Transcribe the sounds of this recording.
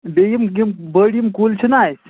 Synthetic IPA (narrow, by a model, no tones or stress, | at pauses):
bejimɡimbəːɽimkuːlt͡ʃʰinaːis